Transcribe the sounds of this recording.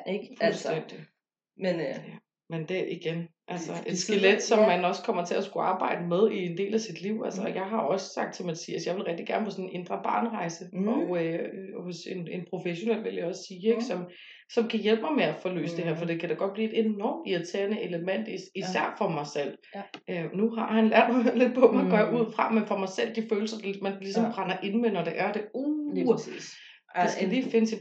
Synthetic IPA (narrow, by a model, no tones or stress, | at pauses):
fulsd̥en̰d̥i | jæ | mend̥eʔiɡ̥enʔælsɐʔed̥sɡ̥eled̥sɒ̽mːænɒ̽skʰɒ̽m̰ɐt͡sʰe̝æsɡ̥uɑ̈ːb̥ɑ̈ɪ̰d̥əmeð̞ˠie̝nd̥e̝̰ːlæsid̥liʊ̰ʔælsɐjɑ̈ɪɦɑ̈ɒ̽ssɑ̈ɡ̥̚d̥sɒ̽mædsiːæsjɑɪʋe̝lʁɛɡ̥d̥iɡ̥æɐnəpʰɒ̽sɔ̽nnʔe̝nd̥ʁɐb̥ɑ̈ːnʁɑ̈ɪsəɒøhosene̝npʰʁo̝feɕo̝nel̰ʋe̝ljɑ̈ɒ̽ssiːeɡ̥sɒ̽m | sɒ̽mkʰæjelb̥̚mɑ̈ɪmeæfɒ̽lø̰ːsəd̥e̝heɐ̰fɒ̽d̥e̝kʰæɾ̥ɑɡ̥ɒ̽d̥̚b̥liːe̝d̥enɒmiɐt͡sʰḛɐnəʔe̝ləmen̰d̥iisæɐ̰fɒ̽mɑ̈ɪsel̰ | ʔønuɦɑ̈hænlæɐ̰d̥̚mɑɪle̝d̥pʰɒ̽mæɪɡ̥ɶɐjʔuð̞̰ˠfʁɑ̈menfɒ̽mɑ̈ɪsel̰d̥iføːl̩sɐd̥mænlisɒ̽mb̥ʁɑ̈nɐʔe̝nmenɒd̥e̝ʔæɐd̥e̝o | sɡæd̥efe̝nəse